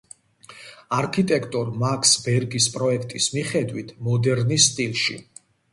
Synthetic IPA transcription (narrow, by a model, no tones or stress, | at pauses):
aɾkʰit̪ʼɛkʰt̪ʼɔɾmakʰsbɛɾɡispʼɾɔɛkʰt̪ʼismiχɛd̪wit̪ʰmɔd̪ɛɾnisːt̪ʼilˠʃḭ